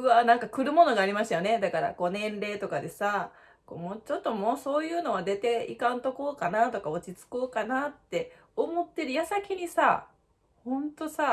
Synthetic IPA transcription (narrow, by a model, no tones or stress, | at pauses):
ɯanãŋkakɯ̟ɾɯ̟mono̞ɡaːɾʲimaɕi̥t̪ajo̞ne̞d̪akaɾa̰ko̞ːnẽ̞nɾe̞ːt̪o̞kad̪e̞sa | koːmo̞ːt͡ɕo̞t̪ːo̞mo̞ːso̞ːjɯ̟ːno̞βad̪e̞t̪e̞ḭkãnt̪o̞koːkanat̪o̞kao̞t͡ɕit͡sɨ̥koːkanat̪ːe̞ | o̞mo̞t̪ːe̞ɾɯ̟jasakʲiɲ̟isa | hõ̞nt̪o̞sa